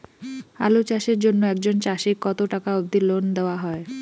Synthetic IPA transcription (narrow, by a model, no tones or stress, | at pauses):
a̰lut͡ɕaʃeɾd͡ʑonːoɛk̚d͡ʑont͡ɕaʃikkːɔt̪oʈakaobd̪ilond̪eoaɦɔe